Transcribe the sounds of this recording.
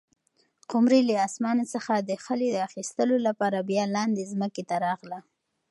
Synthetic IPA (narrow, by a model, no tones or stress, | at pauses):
qʊmɾiləɑsmɑnosəxad̪əxəled̪əaxist̪əlolapɑɾabjɑlɑnd̪ezməket̪aɾɑɣla